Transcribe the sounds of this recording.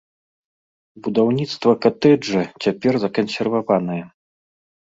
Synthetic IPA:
bud̪awnʲit̪st̪vɐkat̪ɛd͡ʐɛt͡sʲapʲɛrzɐkɐnsʲɛrvavan̪ɨjɛ

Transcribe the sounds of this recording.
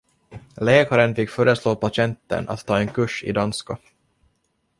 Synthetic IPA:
lɛːkaɾənfɪkːfœːɾəsloːpaɕɛnt̪ːə̰na̰t̪ʰːɑːɛnkʰɵʂɪ̰d̪anska

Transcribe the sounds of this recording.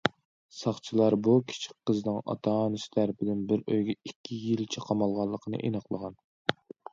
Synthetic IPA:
sɑχt͡ʃʰilˠɑɾbukʲʰi̥t͡ʃʰi̥k̚ʲqːəznɨŋɑ̰t̪ʰɑnɪst̪ʰæɾpʰɪd̪ɪnbɪɾøjɡʲɛikʲʰːijilt͡ʃʰɛqʰɑmɑlˠʁɑlˠːəqʰənɨ̰ʔenəqlˠəʁɑn

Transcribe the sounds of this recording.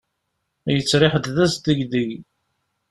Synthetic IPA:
jət͡sːɾɪħəd̪ðæsd̪əʝðəʝ

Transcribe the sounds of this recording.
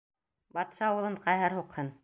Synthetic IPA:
bɑt̪ʃɑːwɤ̆lˠɤɴqɑjɦɘɾhuqhɤn

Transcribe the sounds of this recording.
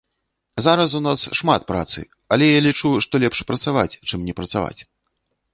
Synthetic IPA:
zaɾɐsunasʂmat̪̚pɾa̰t̪sɨ̰ | ɐlʲɛjalʲit͡ʂuʂt̪ɔlʲɛpʂpɾɐt̪sava̰t͡sʲt͡ʂɨmnʲɛpɾɐt̪sava̰t͡sʲ

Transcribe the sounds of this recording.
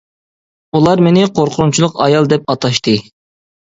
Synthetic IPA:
ulˠɑɾmenɪqʰoɾqʰʊɾunt͡ʃʰilˠʊqɑjɑlˠd̪ɛp̚ɑt̪ʰɑʃt̪ɨ

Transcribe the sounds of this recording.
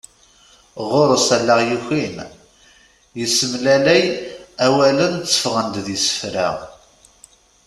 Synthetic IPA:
ʁoɾˤəsælːəʁjiçin | jəsːəmlælæjæwælənt͡sːə̥fʁənd̪ðisə̥fɾa̰

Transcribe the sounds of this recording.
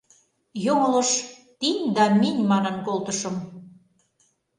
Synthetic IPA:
joŋɤ̆lɤ̆ʃt̪inʲd̪ɑminʲmɑnɤ̆nkolt̪ə̆ʃɤ̆m

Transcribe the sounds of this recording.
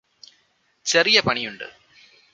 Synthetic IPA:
t͡ɕɐrijɐpɐɳijuɳɖɨ̰

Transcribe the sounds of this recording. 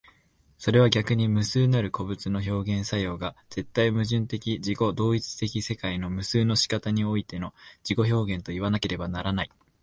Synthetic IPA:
so̞ɾe̞β̞aɡʲakɯ̟ɲ̟imɯ̟sɨːnaɾɯ̟ko̞bɯ̟t͡sɨno̞ço̞ːɡẽ̞ɰ̃sajo̞ːɡaz̥e̞t̪ːaimɯ̟ʑɨ̃nt̪e̞kʲid͡ʑiko̞d̪o̞ːit͡sɨ̥t̪e̞kʲise̞kaino̞mɯ̟sɨːno̞ɕi̥kat̪aɲ̟io̞it̪e̞no̞d͡ʑiko̞ço̞ːɡẽ̞nt̪o̞iβ̞anake̞ɾe̞banaɾanai

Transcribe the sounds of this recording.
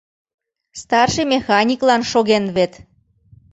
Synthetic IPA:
st̪ɑrʃemʲexɑnʲiklɑnʃoɣenβet̪

